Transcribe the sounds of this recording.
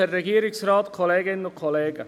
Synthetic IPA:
ɛɾːɛɡiːəɾɪksraːtkʰɔleːɡɪnənʊkʰɔleːɡə

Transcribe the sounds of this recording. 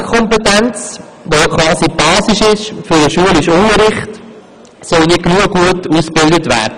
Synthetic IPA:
kʰɔmpɛtɛnt͡s | ʋojokʰʋɑːsib̥ɑːsiʃɪʃfyɾəʃuəlɪʃʊŋəɾɪχt | sɔlnɪt̚ɡnuəɡ̥uətuːsb̥ɪldətvæ̰ːɾdə

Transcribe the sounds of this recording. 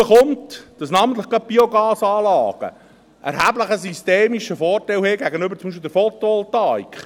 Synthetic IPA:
əχʊmtd̥ɑsnɑːmənt̪ləχkɑt̚b̥ioɡɑːsɑːlɑːɡ̥ə̰ | ʔɛ̰ɾhæːbləχəs̬ysteːmiʃəfɔːrtɛlheːɡæɡənʏbəɾt͡sʊmiʃ̬pild̪əɾfɔt̪oɔltɑikχ

